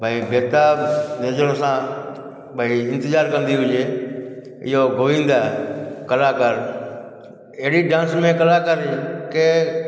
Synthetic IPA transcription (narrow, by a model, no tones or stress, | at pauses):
bʱaːibeːt̪aːneːd͡ʒəɾõsãː | bʱaːiɪ̃nt̪ɪzaːɾkə̃nd̪iɦʊd͡ʒeː | ɪ̰ɦoːɡʱʊʋĩːnd̪aːɛkəlaːkəɾ | ɪɦɽiɖãːnsmẽːkəlaːkəɾiːke